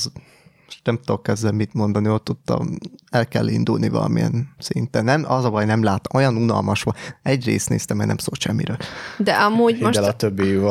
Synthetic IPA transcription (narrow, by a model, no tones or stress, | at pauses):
z | moʃt̪nɛmt̪okːɛzd̪ɛmit̪mo̞nd̪ɒniot̪ːut̪ːɒ̰mɛlkɛ̰lːḭnd̪ulnivɒ̰lɒ̰mijɛ̰nsint̪ɛnːɛmɒzɒbɒjnɛmlaːt̪ɒmojɒnunɒ̰lmɒʃʋɒɛɟrḛːst̪neːst̪ɛmːɛjnɛmso̰ːlʃɛmːiɾøːld̪ɛʔɒmuːɟmmolt̪øbːiv